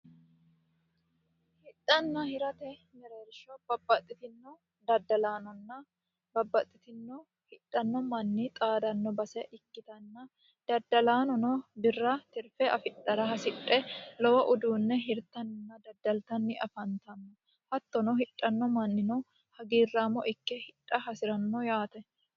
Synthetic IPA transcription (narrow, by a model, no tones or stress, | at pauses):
hɪtʼːɐnːɐhɪɾɐt̪ɛmɛɾeːɾʃɔb̥ɐbːɐt̪ʼːɪt̪ɪnːɔ | d̪ɐd̪ɐlaːnɔnːɐ | bɐbːɐt̪ʼːɪt̪ɪnːɔ | hɪᶑʼːɐnːɔmɐnːɪt̪ʼaːd̪ɐnːɔbɐsɛʔɪkːɪt̪ɐnːɐ | d̪̥ɐd̪ːɐlaːnɔnɔbɪrːɐt̪ɪɾfɛʔɐfɪᶑʼːɐɾɐɦɐsɪᶑʼɛlɔwɐʔʊd̪uːnːɛɦɪɾt̪ːɐnnːɐd̪ɐd̪ːɐlt̪ɐnːɪʔɐfɐnt̪ɐnːɔ | hɐt̪ːɔnɔhɪᶑʼːɐnːɔmɐnːɪnɔ | hɐɡiːrːaːmːɔʔɪkːɛhɪᶑʼːɐhɐsɪɾɐnːɔjaːt̪ɐ